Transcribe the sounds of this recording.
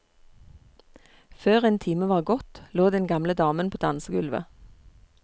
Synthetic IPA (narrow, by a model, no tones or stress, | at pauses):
føːʁeːnt̪ʰiːməʋɑːʁɡɔt̪loːd̪ɛnɡɑmləd̪ɑːmənpʰoːd̪ɑnsəɡʉlʋə̰